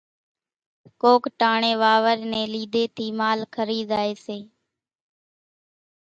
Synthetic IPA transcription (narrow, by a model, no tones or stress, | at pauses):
koːkʈaːɳẽːʋaːʋəɾnẽːliːd̪eːt̪ʰiːmaːlkʰəɾiːzaːeːseː